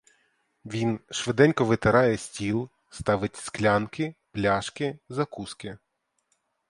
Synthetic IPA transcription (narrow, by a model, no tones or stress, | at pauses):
ʋʲinʃʋɪd̪ɛnʲkɔʋɪt̪ɪɾɑjɛsʲtʲilˠ | st̪ɑʋɪtʲsklʲɑnkɪplʲɑʃkɪzɐkuskɪ